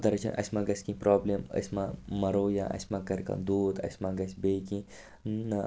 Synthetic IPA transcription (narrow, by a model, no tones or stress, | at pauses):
t̪ɐɾɐt͡ʃʰɐ̰nʔɐ̰sʲmãɡɐsʲkĩpɾoːblʲemɐ̰sʲmamɐɾoːja̰ʔɐ̰sʲmaːkɐɾʲkã̰d̪uːd̪ɐ̰sʲmãːɡɐsʲbeːkĩ | nɐ